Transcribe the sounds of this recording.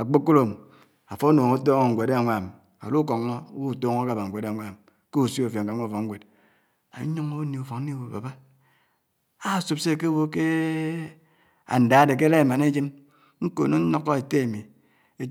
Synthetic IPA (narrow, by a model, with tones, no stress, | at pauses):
a˨k͡po˦kːo˦lo˨m˨ | a˨fo˦noː˨ŋo˦to˦ŋo˨ŋ̩˨ɡʷe˨de˦a˨ŋʷa˨m | a̰˨lu˦k̬o˨ŋː˦o˦wu˦˨to˦ŋo˦ka˨ba˨ŋ̩˨ɡʷe˨de˦˨ŋʷa˨m | ke˦u˨si˦o˨fja˨ŋ̩˨ka˨˦ŋʷo˦˨fo˨ŋ̩˦we˨d̚ | a̰˨˦ɲo˦ŋo˦ni˨u˨fo˨ŋn̩˦i˦wo˨ba̰˨ba˦ | a˦˨su˨pse˦˨ke˦wo˦ke˦ | a̰˨n̩˨da˨a˦de˨k̬e˦le˦˨ma˨ne˦d͡ʒi˦m | ŋ̩˦ko̰˨no˦n̩˦no˦kːɔ˦e˨te˦e˨mi˨ | e˦